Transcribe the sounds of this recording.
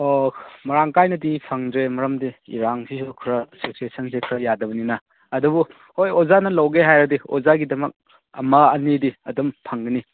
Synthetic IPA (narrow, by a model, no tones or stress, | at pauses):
omɐɾaŋkajnɐdipʰɐŋdɾemɐɾɐmdiḭɾaŋsisukʰuɾɐseksesɐns̬ekʰɾɐjadɐbɐninɐː | dubu | hojozanɐlɐwɡeɦajɾɐdio̰zaɡidɐmɐk̚ | ɐ̰mɐɐnidiɐdumpʰɐŋɡɐni